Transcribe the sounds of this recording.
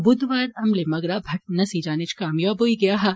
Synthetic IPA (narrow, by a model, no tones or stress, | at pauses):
bʊd̪ʋaːɾɐmlemɐɡɾaːbʱɐʈ̚nɐsid͡ʒaːnɪt͡ʃkaːmjoːboːiɡɐjaɦaː